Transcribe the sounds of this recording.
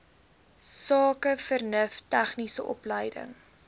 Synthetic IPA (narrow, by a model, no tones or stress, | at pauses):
sɑːkəfərnəftæχnisəʔɔ̰pləjdə̰ŋ